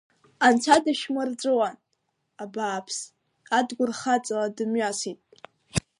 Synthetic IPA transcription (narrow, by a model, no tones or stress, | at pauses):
ant͡sʷʰadaʃmɨrd͡zʷʼɨwan | abaːpʰs | adɡʷʊrχat͡sʼaladɨmɥasitʼ